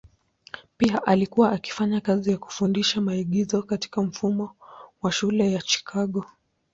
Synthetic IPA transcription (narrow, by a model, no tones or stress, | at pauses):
piaʔalikuwaʔaki̥faɲakazijaku̥fundiʃamaiɠizɔkati̥kam̩fumɔwaʃulɛjat͡ʃi̥kʰaɠɔ